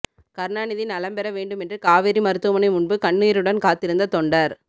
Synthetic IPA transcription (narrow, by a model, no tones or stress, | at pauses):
kɐɾnaːnɪðɪnɐlɐmbɛɾɐʋeːɳɖɯmɛndrɯkaːʋɛɾimɐɾɯt̪ːɯmɐnɐɪmʊɳbɯkɐɳːɯjɪɾɯɽɐnkaːt̪ːɪɾɯnd̪ɐt̪ɔɳɖɐɾ